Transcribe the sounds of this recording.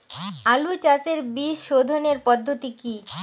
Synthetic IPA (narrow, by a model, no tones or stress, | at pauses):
alut͡ɕat͡ɕeɾbiʃod̪ʱoneɾpɔd̪ʱːot̪iki